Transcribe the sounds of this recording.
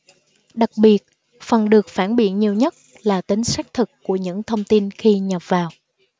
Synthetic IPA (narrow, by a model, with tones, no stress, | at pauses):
ɗa˨˩k̚ɓi˨˩ət̚ | fə˨˩nɗɨ˨˩ək̚faː˧˩nɓḭ˧˩˨əɲi˨˩əwɲə˦˥t̚ | laː˨˩t̪ï˨˦ŋ̟sa˦˥jk̚t̪ʰɨ˨˩kːu˧˩əɲɨ̰˧˥ŋt̪ʰə˧wŋ͡mt̪i˧nxi˧ɲə˨˩p̚vaː˨˩w